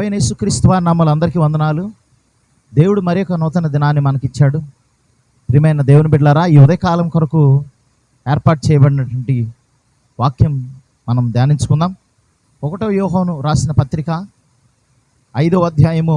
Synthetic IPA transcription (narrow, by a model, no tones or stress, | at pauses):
ɐjnɐe̞ːsukɾiːst̪uʋaːɾnɐmːɐluɐnd̪ɐɾikiːʋɐnd̪ɐnaːlu | d̪e̞ːwuɽumɐɾijɔkːɐnɔːt̪ɐnɐd̪inaːnːimɐnɐkit͡ʃːaːɽu | pɾimɐjnɐd̪e̞ːwunibiɖlaːɾaːiːud̪ɐjɐkaːlɐmkɔɾɐku | eːɾpaːʈ̚t͡ʃɛːjɐbɐɽinɐʈʋɐɳʈi | ʋaːkjɐm | mɐnɐmd̪jaːniɲt͡ʃu̥kund̪aːm | ɔkɐʈoːjɔːɦɐːnuɾaːsinɐpɐt̪ɾika | ɐjd̪oːɐd̪ʱjaːjɐmu